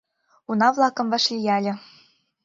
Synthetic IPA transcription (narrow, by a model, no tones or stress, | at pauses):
unɑvlˠɑkɤ̆mvɑʃlʲijælʲɘ̆